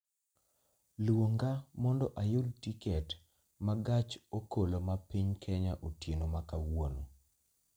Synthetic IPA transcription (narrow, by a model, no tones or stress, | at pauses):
lwoŋɡamɔndɔʔajʊltikɛt | maɡat͡ʃokʰolomapiɲkʰɛɲaʔotjenomakawono